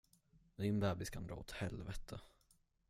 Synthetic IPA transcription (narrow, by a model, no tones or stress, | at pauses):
d̪ɪnbæːbɪskʰand̪ɾɑ̰ːɔt̪hɛlvɛt̪ʰə